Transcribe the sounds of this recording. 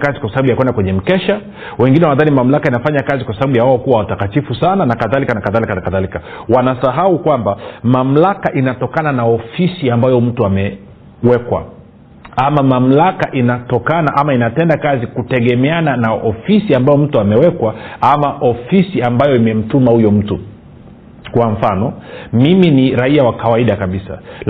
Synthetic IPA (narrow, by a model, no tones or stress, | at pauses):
kazikwasaɓaɓujakwɛndakwɛɲɛm̩kɛʃa | wɛŋɡinɛwanaðanimam̩lakainafaɲakazikwasaɓaɓujawaɔkuwawatakatifusananakaðalikanakaðalikanakaðalikawanasaɦaukwambamam̩lakaʔinatɔkananaɔfisiambajɔm̩tuamɛ | wɛkwa̰ | amamam̩lakaʔinatɔkanaʔamainatɛndakazikutɛɠɛmɛananaʔɔfisiambajɔm̩tuamɛwɛkwaamaʔɔfisiambajɔimɛm̩tumahujɔm̩tu | kwaɱ̩fanɔmiminiɾaiawakawaiɗakaɓisa̰